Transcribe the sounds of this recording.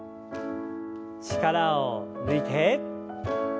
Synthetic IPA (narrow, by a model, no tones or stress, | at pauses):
t͡ɕi̥kaɾaoɾɯit̪ʰe